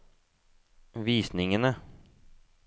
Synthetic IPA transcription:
viːsnɪŋənə

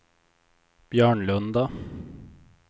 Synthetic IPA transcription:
b̥jœːɳɭɵnd̪a

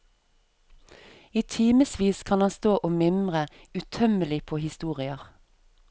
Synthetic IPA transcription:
iːt̪ʰiːməsʋiːskʰɑnɑnst̪oːʔʊmɪmʁə | ʉt̪ʰœməlɪpʰoːhɪst̪uːʁɪəʁ

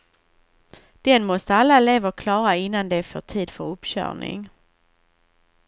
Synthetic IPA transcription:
d̪̥ɛnmɔst̪əalːaleːvəkʰlɑːɾaɪnːand̪ɛfø̰ːʈʰiːd̪fœɾɵpːɕœ̰ːɳɪ̰ŋ

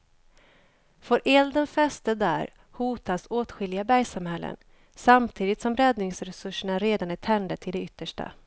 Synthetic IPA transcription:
fœɾʔɛld̪ənfɛst̪əd̪æ̰ːɾ | huːt̪asoːt̪ɧɪlɪɡabæjsamhɛlːə̰n | samt̪ʰiːd̪ɪt̪sɔmɾɛd̪nɪŋsɾɛsɵʂːəɳaɾeːd̪anæʈ̪ʰɛnd̪əʈʰɪld̪ɛʏt̪ːəʂʈa̰

